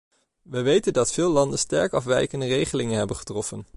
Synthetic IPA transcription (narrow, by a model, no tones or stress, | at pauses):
ʋəʋejtəndɑtfɪːlˠɑndənstɛɹkɑfʋɛjkəndərejχəlɪŋənɦɛbənχə̥trɔfən